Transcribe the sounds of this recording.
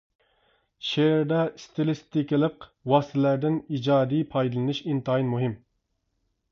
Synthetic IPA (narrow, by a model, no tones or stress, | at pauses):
ʃeɾd̪ɛst̪ʰɪlˠɪst̪ɪkʲɪlˠəqwɑst̪ɪlæɾd̪ɪnid͡ʒɑːd̪ijpʰɑjd̪ɨlˠɨnɨʃint̪ɑinmuɦɪm